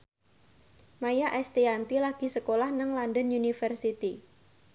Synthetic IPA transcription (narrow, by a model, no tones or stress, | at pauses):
majaʔɛst̪iant̪ilaɡ̥i̤səkolahnəŋlandənunifərsit̪i